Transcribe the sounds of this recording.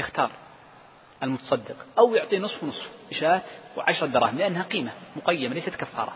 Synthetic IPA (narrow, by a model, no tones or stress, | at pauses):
jɪxt̪ɑːɾˤ | ʔalmʊt̪ɑ̥sˤɑd̪ːɪqʔawjʊʕt̪ˤiːnɨsˤfwnɨsˤfʔɪʃaːt̪wʕaʃɾˤɑd̪ɑɾˤɑ̰ːhɪmlɪʔanːhaqiːmamʊqajːɪmalajsat̪kafːɑ̰ːɾˤɑ̰